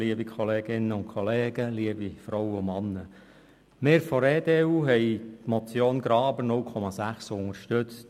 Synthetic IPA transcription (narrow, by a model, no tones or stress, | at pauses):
liəbikʰχɔleːɡɪnːəʊnkʰχɔleːɡ̥əliəbifɾɔwəʊmɑnːə | mɪːɾfɔɾeːdeuːɦɛjtmɔt͡sjoːnɡ̥ɾɑːbənʊlkʰɔmɑsæχsʊŋəɾʃtʏt͡st